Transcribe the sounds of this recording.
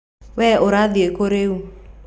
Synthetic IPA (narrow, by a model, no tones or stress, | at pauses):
wɛʔʊɾaðiekoɾeu